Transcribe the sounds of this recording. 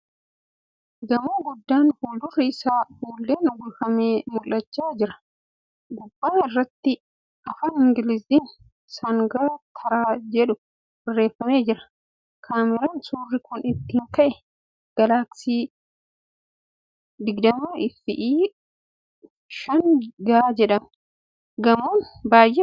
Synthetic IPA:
ɡ̪ɐmoːɡʊd̪ːaːnfuːld̪ʊriɪsaːhuːlːeːnɡʊlkɐmeːmʊlːɐt͡ʃːaːd͡ʒɪɾɐ̥ | ɡʊbːaːnɪrːɐt̪ːɪ | ɐfaːnɪŋɡɪlɪziːn | sɐŋɡaːt̪ʰɐɾaːd͡ʒɛᶑʊ | bɪrːe̞ːfːɐme̞ːd͡ʒɪɾɐ̥ | kʰaːmɪɾɐnsuːrːɪkʊnɪt̪ːɪhŋkɐʔɛ | ɡ̥ɐlaːtsiː | d̪ɪɡd̪ɐmuːɪfːɪʔiː | ʃɐnɡɐaːd͡ʒɛᶑɐmʊ | ɡɐmoːnbaːjʔe

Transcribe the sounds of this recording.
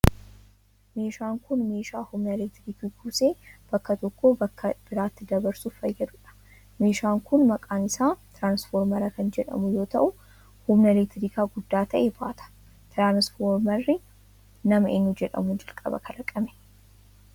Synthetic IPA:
me̞ːʃaːŋkʊnme̞ːʃaːhʊmnɐleːt̪ɾiːkiɡuːse̞ːb̥ɐkːɐt̪ɔkːoːbɐkːɐb̥ɪɾaːt̪ːɪd̪ɐbɐɾsuffɐjːɐd̪ʊᶑɐ̥ | me̞ːʃaːŋkʊnmɐkʼaːnɪsaːt̪ɾaːnsfoːɾmɐɾɐkɐnd͡ʒɛᶑɐ̰mʊjo̞ːt̪ɐʔʊ | hʊmnɐleːt̪ɾiːkaːɡʊd̪ːaːt̪ʰɐʔebaːt̪ʰɐ̥ | t̪ɾaːnsfoːɾmɐrːɪ | nɐmɐḛːnːud͡ʒɛᶑɐ̰mʊnd͡ʒɐlkʼɐ̰bɐ̰kʰɐlɐkʼɐmɛ̥

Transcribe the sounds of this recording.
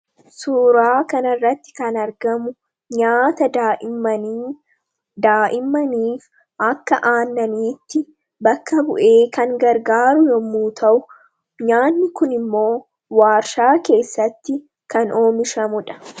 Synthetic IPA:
suːɾaːkɐnɐrːɐt̪ːɪ̥kɐnɐɾɡɐmʊ | ɲaːt̪ɐd̪ | d̪aːʔɪmːɐniːf | ʔɐkːɐʔaːnːɐniːt̪ːɪ | bɐkːɐbʊʔe̞ːkɐŋɡɐɾɡaːɾʊjɔmːuːt̪ʰɐʔʊ | ɲaːnːɪkʊnɪmːo̞ː | waːɾʃaːke̞ːsːɐt̪ːɪ | kɐno̞ːmɪʃɐmʊᶑɐ̥

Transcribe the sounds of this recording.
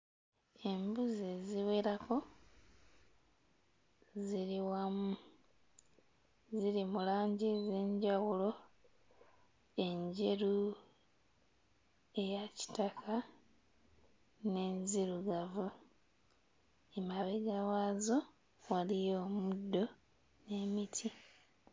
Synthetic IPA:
e̞mbuze̞ziwe̞ɾako̞ | ziɾiwamu | ziɾimulaːɲɟeze̞ːɲɟawulo̞ | e̞ɲɟe̞ɾu | e̞jaci̥takʰa | ne̞nziɾuɡavu | emaβeɡawaːzo̞ | walijoːmudːo̞ | ne̞ːmitʰi

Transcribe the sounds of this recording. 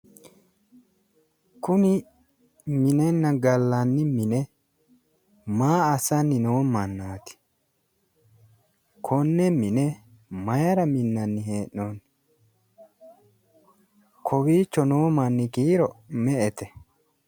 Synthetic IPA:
kʊnɪ | mɪnɛnːɐɡɐlːɐnːɪmɪnɛ | maːɐsɐnːɪnoːmɐnːaːt̪ɪ̥ | kʰɔnːɛmɪnɛ | mɐjɐɾɐmɪnːɐnːɪheːʔon | kʰɔwiːt͡ʃːɔnoːmɐnːɪkiːɾɔmɛʔɛt̪ɛ

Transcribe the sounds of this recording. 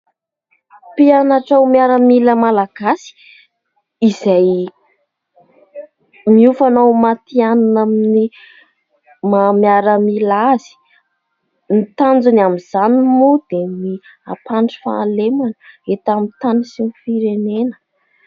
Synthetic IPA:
pianaʈ͡ʂawmiaɾəmiləmalaɡ̥asi̥ | izaj | miufanawmat̪iananamini | mamiaɾəmilazi̥ | mit̪and͡zunamiz̥animud̪̥emi | apaɳʈ͡ʂi̥fa̰lemanəet̪amit̪anisinifiɾenenə̥

